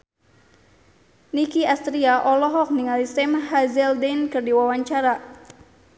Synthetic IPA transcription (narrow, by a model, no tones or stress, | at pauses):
nikiast̪ɾiaʔɔlɔɦɔk̚niŋalisɛmhazɛldɛnkɨrdiwawaɲt͡ʃaɾa